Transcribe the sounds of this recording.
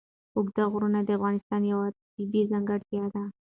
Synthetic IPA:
ʊɡd̪aɣɾunad̪əafɣɑnɪst̪ɑnjawat̪ibizaŋɡaɽt̪jɑd̪a

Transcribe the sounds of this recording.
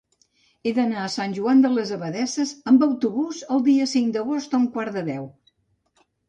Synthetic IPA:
eðənaəsanʲʒuand̪ələzəβəðɛsəzəmbəwt̪uβuzəlˠd̪iəsiŋd̪əɣost̪uŋkwaɾðəðɛw

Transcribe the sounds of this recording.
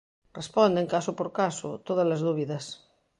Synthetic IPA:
respond̪eŋkasopoɾkaso̰t̪oð̞ɐzlazðuβiðɐs

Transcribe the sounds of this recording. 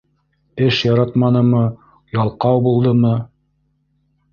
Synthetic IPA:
ɘʃjɑɾɑt̪mɑnɤ̆mɤ | jɑlˠqɑwbulˠd̪ɤmɤ

